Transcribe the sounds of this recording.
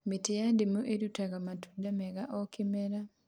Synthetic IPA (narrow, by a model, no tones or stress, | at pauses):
metejademoʔedutaɣamatu̥damɛɣaʔɔkɪmɛɾa